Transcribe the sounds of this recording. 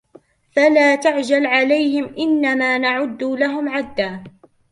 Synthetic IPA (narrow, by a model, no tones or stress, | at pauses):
falaːt̪aʕd͡ʒalʕalajhɪmʔɪnːamaːnaʕʊd̪ːlaɦʊmʕad̪ːaː